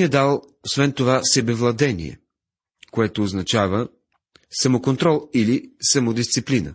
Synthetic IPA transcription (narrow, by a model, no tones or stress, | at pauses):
niəd̪alˠ | osvɛnt̪ovasɛbɛvlˠɐd̪ɛnḭɛ̰ | koɛt̪oːznɐt͡ʃavə | sɐmokont̪ɾɔlˠilisɐmod̪ist̪siplinə̰